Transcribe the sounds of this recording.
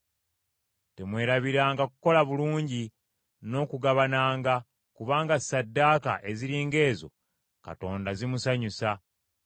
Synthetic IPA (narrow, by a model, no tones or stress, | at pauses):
te̞mwe̞ːɾaβiɾaːŋɡakuko̞laβuluːɲɟi | no̞ːkuɡaβanaːŋɡa | kuβaːŋɡasadːaːka̰ʔe̞ziɾiːŋɡe̞ːzo̞̰ | ka̰to̞ːndazimusaɲusa